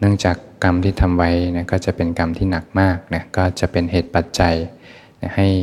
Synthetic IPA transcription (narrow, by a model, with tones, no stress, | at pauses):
nɯ˥˩əŋt͡ɕaː˨˩kːa˧mt̪ʰiː˥˩t̪ʰa˧mwa˦˥jna˧˥kɔː˥˩t͡ɕa˨˩pe˧nka˧mt̪ʰiː˥˩na˨˩k̚maː˥˩k̚na˦˥kɔː˥˩t͡ɕa˨˩ʔpe˧nheː˨˩t̪̚pa˨˩t̪̚t͡ɕa˧j | na˦˥ha˥˩j